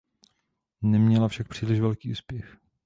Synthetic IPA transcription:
nɛmɲɛlafʃak̚pr̝̥iːlɪʃvɛlkiːʔṵːspjɛx

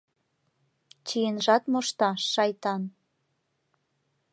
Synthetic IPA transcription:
t͡ɕijənʒɑt̪moʃt̪ɑʃɑjt̪ɑn

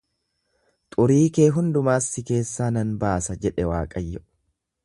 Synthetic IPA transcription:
t̪ʼʊɾiːke̞ːɦʊnd̪ʊmaːsːɪke̞ːsːaːnɐnbaːsɐd͡ʒɛᶑɛwa̰ːkʼɐjːɔ

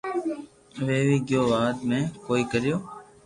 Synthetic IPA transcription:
ʋeːʋiːɡjoːʋaːd̪mẽːkoːiːkəɾɪjoː

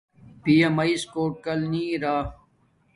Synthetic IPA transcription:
piːɐmɐiskoːʈ̚kɐlniːɾaː

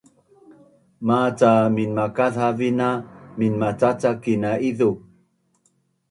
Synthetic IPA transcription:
mat͡saminmakaθavinaminmat͡sat͡sakinaiðu

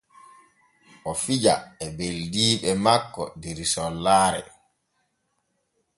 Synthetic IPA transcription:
ʔɔfid͡ʒa̰ɛbeldiːɓɛmakːɔ̰diɾisɔlːaːɾɛ̰

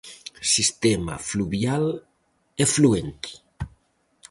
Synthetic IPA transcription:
sist̪ema̰fluβjal | efluent̪i̥

